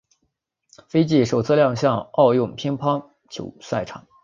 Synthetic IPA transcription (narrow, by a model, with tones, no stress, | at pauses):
fe˥ɪt͡ɕi˥˩ʂo˨˩ʊt͡sʰɤ˥˧ljɑ˥˧ŋɕjɑ˥˧ŋɑ˥˧ʊjʊ˥˩ŋpʰi˥ŋpʰɑ˥ŋ | t͡ɕʰjo̰˧˥ʊswa˥˩ɪʈ͡ʂʰɑ̰˨˩˦ŋ